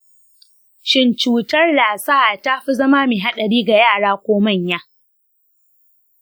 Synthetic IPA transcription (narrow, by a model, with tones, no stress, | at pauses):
ʃɪ˦nt͡ʃuː˨tɐ˦rlaː˨sa˦a˨taː˦ɸi˦zɐ˦ma˦miː˨ɦa˦ɗɐ˨ɽiː˦ɡa˨jaː˦˨ɽaː˦kʷoː˦mɐ˦˨ɲjaː˦